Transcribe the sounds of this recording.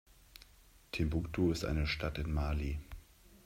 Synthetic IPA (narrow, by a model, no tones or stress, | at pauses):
tʰembuktʰoɪstʔa̰ɪnəʃtʰatɪnmaːli